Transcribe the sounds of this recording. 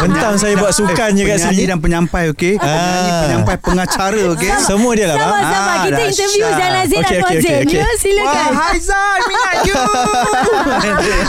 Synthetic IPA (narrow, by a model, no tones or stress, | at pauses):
bənt̪aŋsajabbuaʔsukand͡ʒəkaəiidanp̬əɲãmpajokeəĩəɲãmpajpəŋat͡ʃaɾəokesəmũədiəlahbaaaidaəint̪əvjuanazokeokeoekesiləahajza | nmiɲa | u